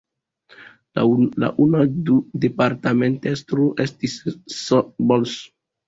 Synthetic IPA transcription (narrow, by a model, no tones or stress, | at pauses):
la̰ʔunadudepaɾtamentestɾoʔestisːobols